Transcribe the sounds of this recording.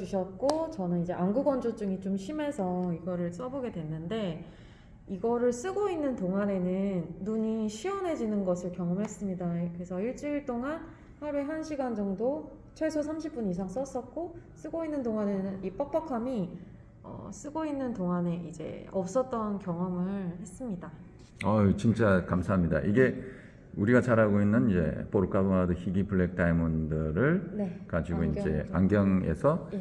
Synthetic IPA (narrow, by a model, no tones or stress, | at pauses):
uɕʰʌt̚k͈ot͡ɕʌnɯnid͡ʑe̞ʔanɡuɡwʌnd͡ʑot͡ɕ͈uŋit͡ɕomɕʰime̞sʰʌiɡʌɾɯɭs͈ʌboɡe̞dwe̞nːɯnde̞ | iɡʌɾɯɭs͈ɯɡoinːɯntoŋane̞nɯnːuɲiɕʰiʌnɦe̞d͡ʑinɯnɡʌsʰɯɭkjʌŋʌmɦe̞s͈ɯmɲidakɯɾe̞sʰʌiɭt͡ɕ͈iiɭt͈oŋan | haɾueɦanɕʰiɡand͡ʑʌŋdo | t͡ɕʰʌɭsʰosʰamɕʰip͈̚unisʰaŋs͈ʌs͈ʌt̚k͈os͈ɯɡoinːɯndoŋanɯnip͈ʌk̚p͈ʌkʰami | ʌ̰s͈ɯɡoinːɯntoŋaneid͡ʑe̞̰ʌp̚s͈ʌt̚t͈ʌnkjʌŋʌmɯɭhe̞s͈ɯmɲida | ʌt͡ɕint͡ɕ͈akamsʰaɦamɲida̰ʔiɡe̞ | uɾiɡat͡ɕaɾɦaɡoinːɯnid͡ʑe̞̰poɾuk͈ʰaboadoçiɡipʰɯɭːek̚t͈aimundɯɾɯɭnekad͡ʑiɡoind͡ʑe̞̰a̰ŋɡjʌŋe̞̰sʰʌ